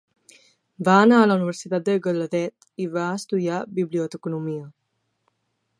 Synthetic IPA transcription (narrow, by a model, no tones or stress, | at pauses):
baːnaələuniβəɾsit̪at̪̚d̪əɡələðɛt̪ | iβaəst̪uðiabiβliot̪əkunumiə